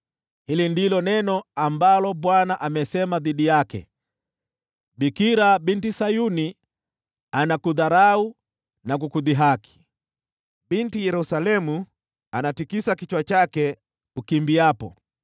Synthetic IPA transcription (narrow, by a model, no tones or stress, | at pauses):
hilindilɔnɛnɔambalɔɓwanaʔamɛsɛmaðiɗijakɛ̰ | bikiɾabintisajuni | anakuðaɾau | nak̬ukuðiɦaki̥ | bintijɛɾusalɛmu | anatikisakit͡ʃwat͡ʃakɛ | ukimbiapɔ̰